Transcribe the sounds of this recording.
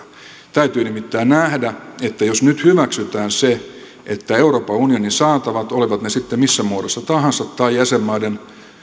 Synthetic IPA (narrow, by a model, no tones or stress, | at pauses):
t̪æyt̪yːnimit̪ːæːnnæhdæet̪ːæjosnyt̪hyʋæksyt̪æːnse | ʔet̪ːæeuroːpɑunioninsɑːt̪ɑʋɑt̪oliʋɑt̪nesit̪ːemisːæmuodosːɑt̪ɑhɑ̃nsɑt̪tɑijjæsemːɑiden